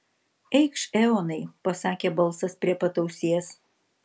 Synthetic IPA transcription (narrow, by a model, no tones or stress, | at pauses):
ɛɪkʃɛonɐɪpɐsɑːkʲeːbɐlˠsɐspʲɾʲiɛpɐt̪ɐʊsʲiːs